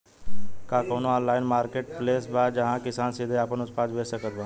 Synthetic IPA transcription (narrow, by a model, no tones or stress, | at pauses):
kaːkoːnoɔːnlaːɪnmaːɾkeːʈ̚pleːsbad͡ʒəɦãkɪsaːnsɪd̪ʱeaːpənʊspaːd͡ʒʋeːsəkət̪̚bãː